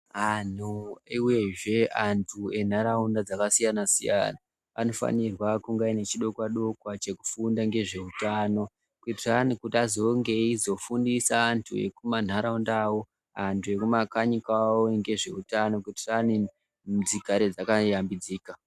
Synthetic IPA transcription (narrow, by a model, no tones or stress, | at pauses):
an̤uiwe̞ʐe̞antʰue̞n̤aɾaundad͡zakasijanasija̰na | ano̞fa̰nirwakuŋɡaine̞t͡ʃiɗo̞kwaɗo̞kwat͡ʃe̞ku̥fundaŋɡe̞ʐe̞utaːno̞ | kwitiranikutazo̞ŋɡe̞izo̞fundisaːntʰue̞̰kuman̤aɾaundaːwo̞ | antʰue̞kumakaɲikawoŋɡe̞ʐe̞utano̞kitirani | md͡ziɡʱaɾed͡zakajambid͡ziːka